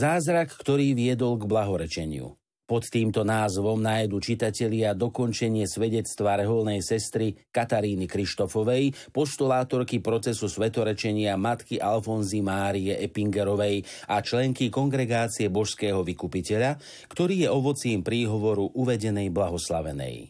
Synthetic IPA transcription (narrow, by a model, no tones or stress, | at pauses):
zaːzɾakːt̪ɔɾiːʋɪɛd̪ɔlɡblaɦɔɾɛt͡ʃɛɲɪṵ | pɔt̪ːiːmt̪ɔnaːzʋɔmnajd̪uːt͡ʃit̪acɛʎɪad̪ɔkɔnt͡ʃɛɲɪɛsʋɛɟɛt͡st̪ʋaɾɛɦɔlnɛjsɛst̪ɾikat̪aɾiːnikɾiʃt̪ɔfɔʋɛj | pɔʃt̪ulaːt̪ɔɾkipɾɔt͡sɛsusʋɛt̪ɔɾɛt͡ʃɛɲɪamat̪kiʔalfɔnzimaːɾiɛʔɛpiŋɡɛɾɔʋɛjʔat͡ʃlɛŋkikɔŋɡɾɛɡaːt͡siɛbɔʃskɛːɦɔʋikupicɛʎa | kt̪ɔɾiːjɛɔʋɔt͡siːmpɾiːɦɔʋɔɾuʔuʋɛɟɛnɛjblaɦɔslaʋɛ̰nɛ̰j